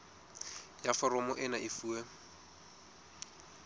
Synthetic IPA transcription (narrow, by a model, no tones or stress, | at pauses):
jafɔɾɔmɔʔɪnaʔɪfuːɛ